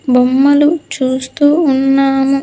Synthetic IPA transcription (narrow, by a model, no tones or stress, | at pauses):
bomːɐlut͡ʃuːst̪uːnːaːmu